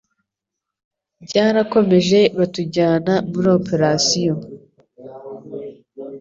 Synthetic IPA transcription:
bɟaːɾako̞me̞ʒe̞βatuɟaːnamuɾiope̞ɾasijo̞

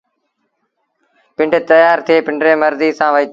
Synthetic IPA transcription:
pɪ̃ɳɖt̪əjaːɾt̪ʰeːpɪ̃ɳɖɾẽːməɾziːsãːʋəiːt̪

